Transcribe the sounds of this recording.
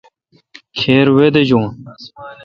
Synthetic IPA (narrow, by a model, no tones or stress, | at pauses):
kʰeːɾwed̪ed͡ʑõː